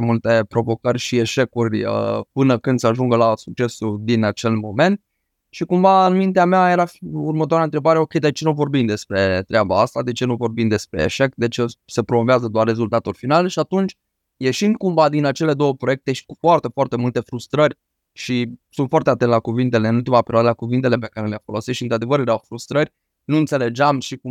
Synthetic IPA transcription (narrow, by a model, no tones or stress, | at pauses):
mult̪e̞pɾo̞vo̞kərʲʃie̞ʃe̞kurʲə̰pɨnəkɨnd̪səaʒuŋɡəlasuk̚t͡ʃe̞sud̪inat͡ʃe̞lmo̞me̞nt̪̚ | ʃikumvaɨnmint̪eameaje̞ɾafurmət̪oaɾaɨnt̪ɾe̞baɾeokʲejd̪et͡ʃe̞nuvo̞rbimd̪e̞spɾe̞t̪ɾʲeabaast̪ad̪e̞t͡ʃe̞nuvo̞rbimd̪e̞spɾe̞̰ːʃe̞kd̪e̞t͡ʃese̞pɾo̞moveazəd̪oarre̞zult̪at̪ulfinalʃiat̪unt͡ʃʲ | je̞ʃind̪̚kumvad̪inat͡ʃe̞le̞d̪o̞wəpɾojek̚t̪e̞ʃi̥kufoart̪e̞foart̪e̞mult̪e̞fɾust̪ɾərʲ | ʃisunt̪fwart̪e̞at̪ent̪ːlakuvint̪e̞le̞ɨnult̪imapeɾʲiad̪əlakuvint̪e̞le̞pe̞kaɾe̞leafo̞lo̞sit̪ʃint̪ɾad̪e̞vəɾjeɾawfɾust̪ɾərʲ | nuɨnt̪se̞le̞d͡ʒeamʃiku